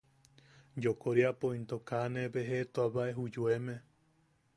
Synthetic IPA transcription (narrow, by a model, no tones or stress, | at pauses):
d͡ʒokoɾiapõĩnt̪okanebeɦet̪oaβaʔeɦud͡ʒuemẽ